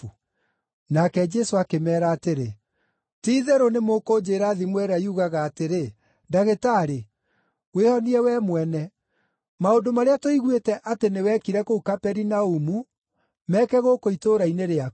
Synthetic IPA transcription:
nakɛd͡ʒɛsoakemɛːɾaːteɾe | tiːðɛɾonemokod͡ʒeːɾaːðimwɛɾaiuɣaɣaːteɾe | daɣetaːɾe | wehɔniɛwɛːmwɛnɛ | maondomaɾeatoiɣwetɛʔatenewɛkiɾɛkoukapɛɾinaumu | mɛkɛɣokoitoːɾaineɾea

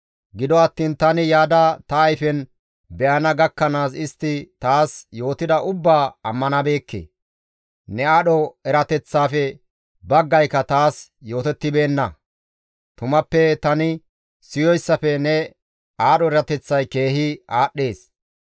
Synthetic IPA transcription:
ɡɪd̪ɔɐt̪ːiːnt̪ɐnɪjaːd̪ɐt̪ɐːjfɛn | bɛʔɐnɐɡɐkːɐnaːsɪst̪ːɪt̪aːsjo̞ːt̪ɪd̪ɐʔʊbːaːɐmːɐnɐbe̞ːkːḛː | nɛaːɗɔɛɾɐt̪ɛt͡sːaːfɛ | bɐɡːɐjkːɐt̪aːsjo̞ːt̪ɛt̪ːɪbe̞ːnːɐ | t̪ʊmɐpːɛt̪ɐnɪ | sɪjɔjsːɐfɛnɛ | aːɗɔɛɾɐt̪ɛt͡sːɐjke̞ːɦɪʔaːɗːe̞ːs

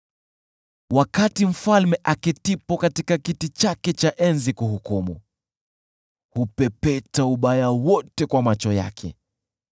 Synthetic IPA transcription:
wakatim̩falmɛʔakitipɔkatikakitit͡ʃakɛt͡ʃaʔɛnzikuɦukumṵ | hupɛpɛtauɓajawɔtɛkwamat͡ʃɔja̰kʰɛ̰

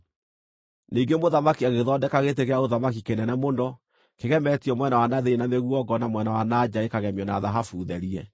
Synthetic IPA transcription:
niɡemoðamakiaɣeðɔdɛkaɣeteɣeaoðamak̬ikenɛnɛmondɔ | keɣɛmɛtiɔmwɛnawanaðeenameɣuɔɡɔnamwɛnawanad͡ʑaekaɣɛmjɔnaðaɦafuðɛɾiɛ

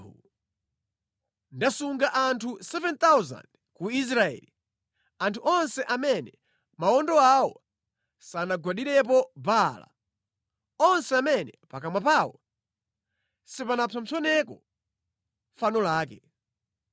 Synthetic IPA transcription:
u | ndasuŋɡaʔantʰusɛvɛnt̪awza̰nd̥ | kuis̬ɾaɛ̰li | antʰuʔɔnsɛʔamɛnɛ | maɔndɔawɔ | sanaɡwaɗiɾɛp̬ɔbala̰ | ɔnsɛamɛnɛpakamwapawɔ̰ | sipanapʰam̩sʰɔnɛkɔ | fanɔlaːkɛ

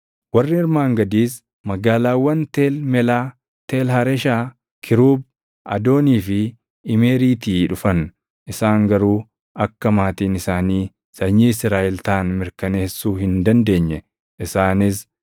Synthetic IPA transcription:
wɐrːɪɪɾmaːŋɡɐd̪iːs | mɐɡaːlaːwːɐnt̪eːlmɛlaː | t̪eːlhɐɾɛʃaː | kʰɪɾuːb | ʔɐ̰d̪o̞ːniːfɪ | ɪme̞ːɾiːt̪iːᶑʊfɐn | ʔɪsaːŋɡɐɾuː | ɐkːɐmaːt̪iːnɪsaːniː | sɐɲːiːɪsɾaːʔɪlt̪aːnmɪɾkɐne̞ːsːuːɦɪnd̪ɐnd̪e̞ːɲːɛ | ʔɪsaːnɪs

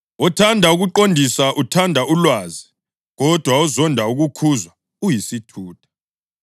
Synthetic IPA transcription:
ɔtʰandʱauɣuǃondʱisaʔutʰandʱaʔulwaːzi | ɣɔd̥ʱwaɔzɔndʱauɣukʰuzwa | ujisitʰuːtʰḁ

